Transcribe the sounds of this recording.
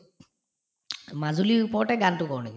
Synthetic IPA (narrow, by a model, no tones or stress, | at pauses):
mazuliipɔɹʈɛɡantukɔwniki